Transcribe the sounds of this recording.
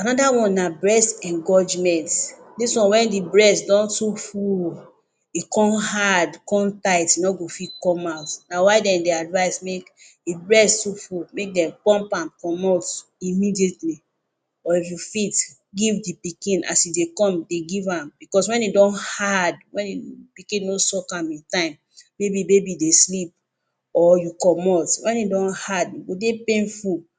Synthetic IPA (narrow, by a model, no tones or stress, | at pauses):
ãnɔdawɔ̃nːabɹɛstɛ̃ŋɡɔd͡ʒmɛ̃ntdiswɔ̃nwɛ̃ndibɹɛstdɔ̃ntuful | ikɔ̃mhadikɔ̃mtaɪtinɔɡofitkɔmaʊtnawaɪdɛ̃mdiadvaɪsmek | dibɹɛstufulmek̚dɛ̃mpɔ̃mpãmkɔ̃mot | imidiɛtli | ɔifjufit | ɡivdipikĩnʔa̰sjudekɔ̃mdeɡivãmbikɔswɛ̃nidɔ̃nhad̚wɛ̃nipikĩnːosɔkãmĩntãɪ̃mː | ebibebideslip̚ | ɔjukɔmɔltwɛ̃nidɔ̃nhadiɡodepẽnful